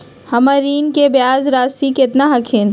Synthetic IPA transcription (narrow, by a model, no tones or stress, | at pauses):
hɐməɾiːnkebjaːzɾaːsikɪt̪naɦɐkʰẽːn